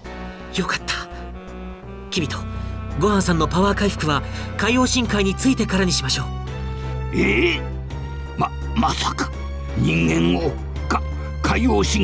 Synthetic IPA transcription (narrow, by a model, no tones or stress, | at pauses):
jo̞kḁt̪ːḁ | kʲibʲit̪o̞ɡo̞hãsãnːo̞paβaːkaiɸɯ̥kɯ̟βakaijo̞ːɕĩŋkaiɲ̟it͡sɨit̪e̞kaɾaɲ̟iɕimaɕo̞ː | e | ma | masakḁ | ɲĩŋɡẽ̞ŋo | ka | kaioːɕĩŋ